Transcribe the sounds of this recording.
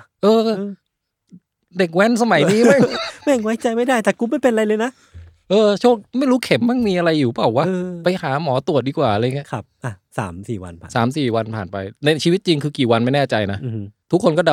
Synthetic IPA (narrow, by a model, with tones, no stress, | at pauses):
ʔɤː˧ | de˨˩k̚wɛ˦˥nsa˧ma˨˩˦jdiː˧ma˥˩ŋmɛ˥˩ŋwa˦˥jt͡ɕa˧jma˥˩jdaː˥˩jt̪ɛ˨˩ku˧ma˥˩jpe˧na˧ɾa˧jlɤː˧jna˦˥ | ʔɤː˧t͡ɕʰoː˥˩k̚ma˥˩jɾuː˦˥kʰe˨˩˦mːa˥˩ŋmiː˧ʔa˧ɾa˧jːuː˨˩˦pa˨˩waː˦˧˥pa˧jhaː˩˦mɔː˩˦t̪u˨˩ət̪̚diː˧kwaː˨˩ʔa˧a˧ja˨ŋi˦˥˦kʰp̚ʔa˧˩sa̰ː˩˦msiː˨˩wa̰˧nʰa̰ː˨saː˩˦msiː˨˩wa˧npʰaː˨˩npa˧jna˧t͡ɕʰiː˧wi˦˥t̪̚t͡ɕi˧ŋkʰɯː˧kiː˨˩wa˧nma˥˩jnɛː˥˩t͡ɕa˧jna˦˥˧t̪ʰu˦˥kʰːo˧nkɔː˥˩da˧